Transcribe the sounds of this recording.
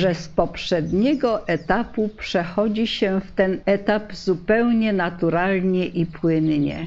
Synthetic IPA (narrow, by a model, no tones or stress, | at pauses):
ʐɛspɔpʂɛd̪ɲɛɡɔʔɛt̪apupʂɛxɔd͡ʑiɕɛft̪ɛnɛt̪apzupɛwɲɛnat̪uɾalɲɛʔipwɘnɲɛ̰